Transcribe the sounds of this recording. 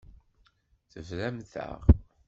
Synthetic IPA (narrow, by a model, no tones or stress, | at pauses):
θəvlæmθə̰ʁ